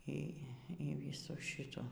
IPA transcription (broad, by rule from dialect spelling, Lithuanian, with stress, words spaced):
ˈiː ˈiː ˈʋʲiːsuː ˈʃʲɪtuː